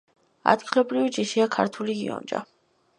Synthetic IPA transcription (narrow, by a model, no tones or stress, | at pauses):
a̰d̪ɡilɔbɾivid͡ʒiʃiakʰaɾt̪ʰuliɡḭɔ̰nd͡ʒa̰